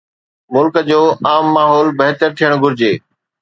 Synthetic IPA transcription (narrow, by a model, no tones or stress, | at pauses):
mʊlkəd͡ʑoːʔaːmːaːɦɔːlbɐɦt̪əɾt̪ʰijəɽ̃ɡʱʊɾɪd͡ʑeː